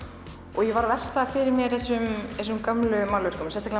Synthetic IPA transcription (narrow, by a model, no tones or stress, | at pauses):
ɔɣjɛvaɾvɛl̥t̪afɪɾɪɾmjɛɾθɛsːʏmθɛs̬ʏmkamlʏmawlvɛr̥kʏmsɛnst̪al